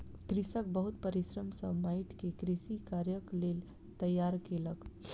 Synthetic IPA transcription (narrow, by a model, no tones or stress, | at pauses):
k̪ɾisəkbəɦut̪pəɾisɾəmsəmaiʈkekɾisikaɾjəklel | t̪əjːaɾkelək